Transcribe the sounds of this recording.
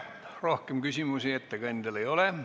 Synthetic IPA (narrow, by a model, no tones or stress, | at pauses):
rohkemɡ̥ysymusiet̪ːækɑind̪eleioleˑ